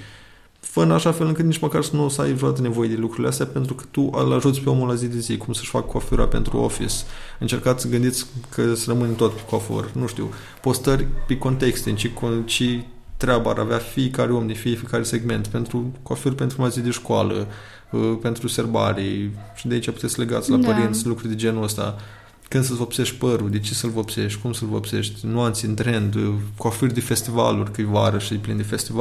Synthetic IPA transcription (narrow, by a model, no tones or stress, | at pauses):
fəɨnaʃafe̞lɨnŋkɨt̪nit͡ʃməkarsənusajʒuat̪ne̞vo̞jed̪elukɾurileast̪ejape̞nt̪ɾukɨ̥t̪ualaʒut̪sʲpeo̞mulazijd̪ezikumsə̥ʃʲfakkʰːofuɾa̰pe̞̰nt̪ɾṵo̰fḭsɨnt͡ʃe̞rkat̪sʲsəɡɨnd̪it̪sʲkʰəsərəmɨnʲt̪o̞t̪pe̥kofo̰rʲnuʃt̪ḭw | po̞st̪ərʲpeko̞nt̪e̞kst̪ent͡ʃekot͡ʃe | t̪ɾʲeaba̰ɾʔaveafiekaɾeomd̪ifijefikaɾese̞ɡme̞nt̪pe̞nt̪ɾukofirʲpent̪ɾumazid̪eʃkoa̰lə̰ | pe̞nt̪ɾuse̞rba̰ɾiʃid̪eait͡ʃaput̪esʲle̞ɡa̰t̪sʲlapəɾint̪sʲlukɾuɾʲd̪ed͡ʒe̞nuəst̪a̰ | kɨnd̪səsvopse̞ʃt̪ʲpəɾud̪et͡ʃesəlvopse̞ʃt̪ʲkumsəlvo̰pse̞̰ʃt̪ʲnoant̪sʲnt̪ɾe̞nd̪kofird̪efe̞st̪iva̰lurʲkɨjvaɾəʃiplind̪efe̞st̪iva